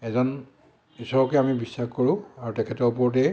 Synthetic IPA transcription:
ɛzɔn | isɔbɔkɛamibisːaxkoɹʊ̃aɹutɛkʰɛtɔɹp̬ɔɹɔt̬ɛ

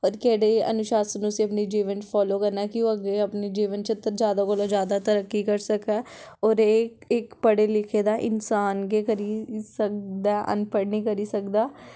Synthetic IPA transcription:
ɔːɾkɛːɽeə̰nʊʃaːsənʊsiːəpniːd͡ʒiːʋənpʰɔːloːkəɾnaːkɪoːəɡeːəpniːd͡ʒiːʋənt͡ʃət̪ːəɾd͡ʒjaːd̪aːkolõːd͡ʒjaːd̪aːt̪əɾəkːiːkəɾsəkɛːɔːɾe | ɪkpəɽeːlɪkʰeːd̪aːʔɪnsaːnɡeːkəɾiːsək̚d̪aːʔə̰npəɽnĩːkəɾiːsəkd̪aː

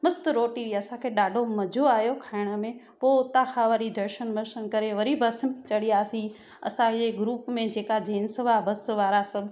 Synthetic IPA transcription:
mɐst̪ɾoːʈiiɐsãkʰeːɗaːɖʱomɐd͡ʑʱoaːjokʰaːɪɽ̃ə̆mẽ | poːt̪aːxaʋəɾid̪ʱɐɾʃənməɾʃənkɐɾeʋɐɾibʱɐsmẽt͡ɕɐɽijaːsĩ | ɐ̰sãd͡ʑeɡɾuːpmẽd͡ʑeːkad͡ʑeːnsəʋabɐsʋaːɾasɐbʱ

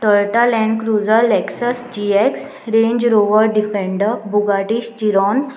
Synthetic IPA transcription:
ʈəɾʈalɛ̃ɳɖkɾud͡zəɾlɛksəsd͡ʑieks | ɾẽɲd͡ʑɾoʋəɾɖifẽɳɖəɾbʱuɡaʈiɕt͡ɕiɾɔn

